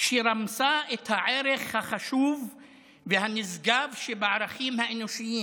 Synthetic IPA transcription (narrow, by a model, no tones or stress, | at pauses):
ʃeɾamsaʔet̪haʕeɾeχhaχaʃuvː | ehanizɡavʃebeʕaɾaχimhaenoʃijim